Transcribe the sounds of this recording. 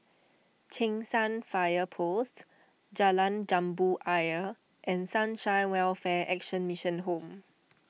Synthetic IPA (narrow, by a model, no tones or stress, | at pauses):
t͡ʃʰẽŋsãnfajəpʰost | d͡ʒalãnd͡ʒãmbuʔajə | ʔɛ̃nsãnʃãɪnwɛlfɛʔɛkʃə̃nmiʃə̃nɦõm